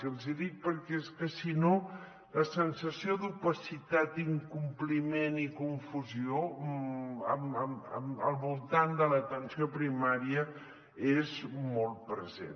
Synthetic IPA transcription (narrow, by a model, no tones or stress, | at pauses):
əlˠziðik̚pəɾkɛeskəsino | ləsənsəsiod̪upəsit̪at̪̚iŋkumplimenikuɱfuzio | əməmə̰mə̰lˠβulˠt̪and̪ələt̪ənsiopɾimaɾiə | ezmɔlˠt̚pɾəzḛn